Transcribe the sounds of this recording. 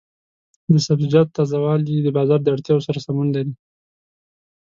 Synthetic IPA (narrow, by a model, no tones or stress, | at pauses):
d̪əsabzid͡ʒɑt̪̚ːɑzawɑlid̪əbɑzɑɾd̪əaɽt̪jɑwosaɾasamunlaɾi